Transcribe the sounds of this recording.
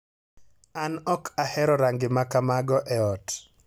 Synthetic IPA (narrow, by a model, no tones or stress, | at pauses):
anɔkahɛɾɔɾaŋɡɪmakamaɡɔʔɛɔt